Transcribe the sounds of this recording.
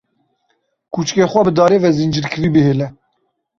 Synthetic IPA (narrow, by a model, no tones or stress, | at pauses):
kut͡ʃkexʷɛbɨd̪ɑːɾeːvɛzind͡ʒɨɾkʰɨɾiːbɨɦeːlɛ